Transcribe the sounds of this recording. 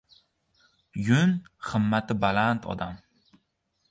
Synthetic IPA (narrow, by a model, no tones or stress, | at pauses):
jʊnχɨmːat̪ʰɪbalant̪ʰɒ̰d̪am